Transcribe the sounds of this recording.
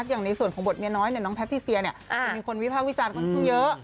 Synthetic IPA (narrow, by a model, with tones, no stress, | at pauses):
k̚jaː˨˩ŋna˧jsu˨˩nkʰɔː˩˦ŋbo˨˩t̪̚mi˧˥ɐnɔː˦˥jni˧˩nɔ˦˥pʰt̪ʰːiː˥˩si˧ɐni˧˩ɐʔa˧˩miː˧kʰo˧nwi˦˥pʰaː˥˩k̚wi˦˥t͡ɕaː˧nkʰɔ˥nkʰa˥˩ŋjɤ˦˥